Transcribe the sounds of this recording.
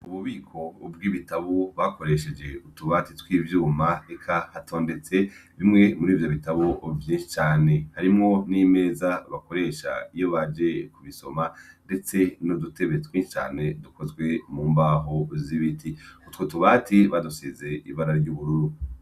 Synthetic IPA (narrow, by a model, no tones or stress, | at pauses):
uβuβiːkʰo̞b̚ɡiːβitaβoβako̞ɾe̞ʃe̞d͡ʒe̞utuβaːtitwiːvjuːmaekʰahatʰoːnde̞t͡se̞βimŋe̞muɾiːvjo̞βitaβovjĩːnʃi̥t͡ʃaːne̞haɾimŋo̞niːme̞ːzaβako̞ɾe̞ːʃa̰ijo̞βad͡ʒe̞kuβiso̞mande̞t͡se̞nodutʰe̞βetwĩːʃi̥t͡ʃa̰ːne̞duko̞zɡwe̞muːmbaɦoziβitʰiutwotuβaːtiβaduseze̞ḭβaɾaɾɾɟuβuɾuɾu